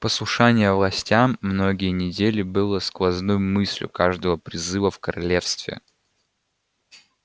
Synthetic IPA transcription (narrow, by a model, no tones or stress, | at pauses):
pəslˠʊʂanʲɪjəvlˠɐsʲtʲamːno̞ɡʲɪjənʲɪdʲelʲɪbɨlˠəsklˠɐznojʊmɨsʲlʲjʊ̰kaʐd̪əvəpɾʲɪzɨvəfkəɾɐlʲe̞fst̪vʲɪ̰